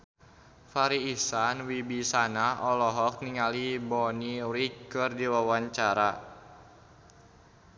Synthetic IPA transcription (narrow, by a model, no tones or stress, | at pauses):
faɾiːsanwibisanaʔɔlɔɦɔk̚niŋalibɔniɾikːɨrdiwawaɲt͡ʃaɾa